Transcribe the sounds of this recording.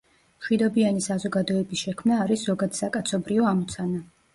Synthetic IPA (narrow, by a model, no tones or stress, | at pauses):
mʃwid̪ɔbianisazɔɡad̪ɔɛbisʃɛkʰmnaːɾiszɔɡad̪sakʼat̪sʰɔbɾiɔamɔt̪sʰana